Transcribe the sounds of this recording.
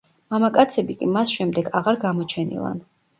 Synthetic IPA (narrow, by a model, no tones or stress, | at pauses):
mamakʼat̪sʰɛbikʼimasʃɛmd̪ɛɡaʁaɾɡamɔt͡ʃʰɛnḭlˠa̰n